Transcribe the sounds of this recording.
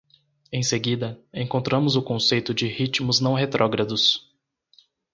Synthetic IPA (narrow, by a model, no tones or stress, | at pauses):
ẽj̃seɡid̪ɐẽkõnt̪ɾɐ̃mʊzʊkõsejt̪ʊd͡ʒɪhit͡ʃimʊznɐ̃w̃ɦet̪ɾʔɔɡɾɐd̪ʊs